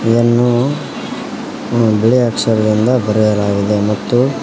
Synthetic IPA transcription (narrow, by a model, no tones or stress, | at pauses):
enːu | biɭiaːksɐɾɐlind̪ɐbɐɾɛjɐlaːɡid̪e̞mɐt̪ːu